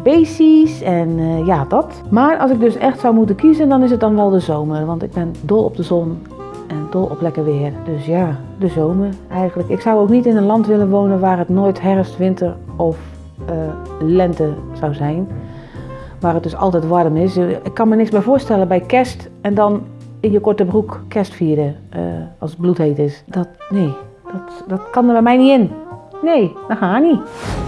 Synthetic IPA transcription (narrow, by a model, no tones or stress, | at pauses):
b̥eːsisɛnjadɔt | maːɹɑlsɪɡ̚døsɛxtsawmutənkizəndɔnɪs̬ət̚dɔnʋɛlˠdəzowməɹʋɑntɪɡ̚bɛndɔlˠɔ̰p̚dəzɔn | ɛndɔlˠɔ̰plɛkəɹʋɪərdøsjaː | dəzowməɹʔɛjɣənləkɪksawowknitɪnənlɑntʋɪlənʋownənʋaːrətnoːjtɦɛrfstʋɪntərɔf | lɛntəsawzɛjn | ʋaːrət̚døsɔ̰lˠtɛjtʋɔdəmɪsɪkːɑnmənɪksmɛjvoːɹstɛlənbɛjkɛstɛndɔnɪnjəkɔɹtəbrukkʰːɛstfiːədə̰ | ɑlˠsət̚blutheːtɪsd̥ɔtneː | d̥ɔtdɔtkɔnəbɛmɛjniɪnneːdɔhaːəni